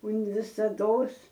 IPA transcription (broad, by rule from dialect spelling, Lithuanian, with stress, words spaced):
ʊn ʋʲɪsɐˈdoːs